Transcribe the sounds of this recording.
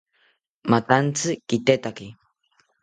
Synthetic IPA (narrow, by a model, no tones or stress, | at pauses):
mat̪ant͡sɨkit̪et̪aki